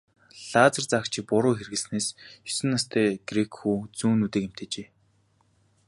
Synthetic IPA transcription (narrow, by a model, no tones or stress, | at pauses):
ɮaːt͡sə̆rt͡sakt͡ɕʰɪpʊɾʊːxerɣɘ̆ɮsneːsjʊ̥sɘ̆nːast̪ʰeːɡ̥rekxuːt͡suːnuːt̪ĕːkem̥t̪ʰeːt͡ɕeː